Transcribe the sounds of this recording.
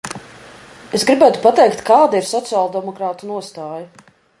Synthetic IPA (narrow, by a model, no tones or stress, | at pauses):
esɡɾibæːt̪u̥pat̪ɛjkt̪kaːd̪aiɾsɔt̪siaːlˠd̪ɛmɔkɾaːt̪unuɔst̪aːja